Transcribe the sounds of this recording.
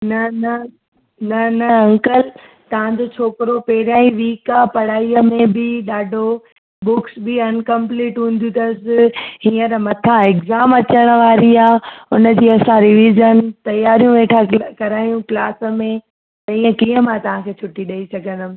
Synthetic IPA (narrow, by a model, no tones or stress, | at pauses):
nɐnɐ | nɐnɐɐ̃ŋkəl | t̪ɐʋ̤ãd͡ʑot͡ɕʰoːkɪɾopɛɦɪɾaːĩʋiːkapɐɽ̤aːiəmẽbɪɗaːɖʱo | bʊksbɪɐnkɐ̃mpliːʈɦũːn̆d̪ũd̪ɐsɪɦiːə̃ɾmɐt̪ʰãɪkzaːmɐt͡ɕəɽ̃ə̆ʋaːɾiaːʊnə̆d͡ʑiːɐsãɾɪʋiːzənt̪ɐjaːɾijũʋeːʈʰakɐɾaːjũklaːsə̆mẽ | t̪ɐĩːə̃kiɦə̃mãt̪ɐʋ̤ãkʰeːt͡ɕʰʊʈiɗɐisɐɡʱə̃nd̪ʊm